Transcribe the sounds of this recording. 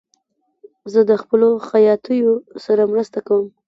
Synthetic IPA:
zəd̪əxpəloxajɑt̪əjosaɾamɾəst̪akawəm

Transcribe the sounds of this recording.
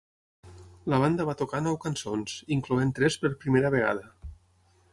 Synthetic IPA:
ləβ̞and̪əβ̞at̪ukanɔwkansonziŋkluent̪ɾɛspəɾpɾimeɾəβ̞eɣ̞a̰ðə

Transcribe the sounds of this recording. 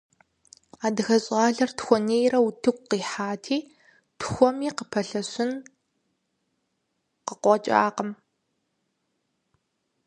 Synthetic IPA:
aːdɨxɐɕʼɑːɮɐrtxʷɔneːjrɐwutʰɨɡʷqiːħaːtʰiː | tʰxʷɔmiːqəpʰɐɬɐɕɪn | qəqʷɔt͡ʃʼa̰ːqəm

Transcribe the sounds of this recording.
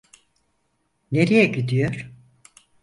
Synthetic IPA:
ne̞ɾijɛɟid̪ijoɾ̥

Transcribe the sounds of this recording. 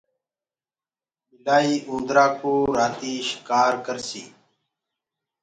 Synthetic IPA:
mɪlaːiːʔũːnd̪ɾaːkoːɾaːt̪iːʃɪ̥kaːɾkəɾsḭː

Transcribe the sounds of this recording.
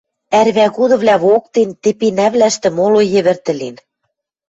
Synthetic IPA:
æɾβæɣud̪ɤ̆βlʲæβok̚t̪ent̪ĕpinæβlæʃt̪ɘ̆molojɘ̆βɘ̆rt̪ɘ̆len

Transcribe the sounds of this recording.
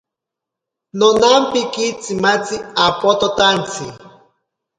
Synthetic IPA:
nɔnam̩pikit͡simat͡siapɔt̪ɔt̪an̩t͡sʰḭ

